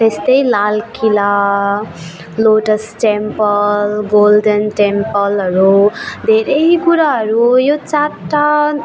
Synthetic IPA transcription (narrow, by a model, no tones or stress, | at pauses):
t̪est̪ʌjlalkila | loʈʌsʈempʌlɡolɖʌnʈempʌlɦʌɾud̪ʱeɾejkuɾaɦʌɾujot͡saʈːa